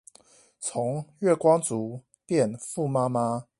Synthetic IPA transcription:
t͡sʰʊ˨˦ŋɥɛ˥˩kwɑ˥ŋt͡su˨˦ | pjɛ˥˨nfu˥˨ma˦˥ma˦

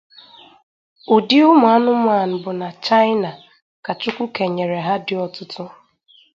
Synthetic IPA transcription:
ʊ˨di˦ʊ˦mʊ˨a˦nʊ˦mʷ˦a˨n̩˨bʊ˨na˨t͡ʃa˦jna˨ | ka˨t͡ʃʊ˦kʷu˦ke˨ɲe˨ɾe˨ɦa˦dɪ˦ɔ˨tʊ˦tʊ˦

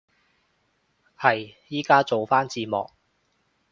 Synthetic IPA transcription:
hɐ˨jjiː˥kaː˥t͡so˨wfaː˥nt͡siː˧mɔ̰ː˨k̚

